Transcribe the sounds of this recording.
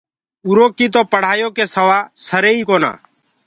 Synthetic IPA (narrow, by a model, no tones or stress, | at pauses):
uːɾoːkiːt̪̬oːpəɽ̤aːjoːkeːsəʋaːsəɾeːiːkoːna̰ː